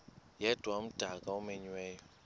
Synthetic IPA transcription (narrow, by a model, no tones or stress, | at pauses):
jɛdwam̩d̥aɡaumeɲwɛjɔ